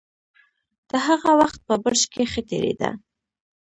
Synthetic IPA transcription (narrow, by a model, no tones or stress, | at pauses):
d̪̥əɦaɣawaxt̪̚pəbəɾʃkexət̪eɾḛd̪a̰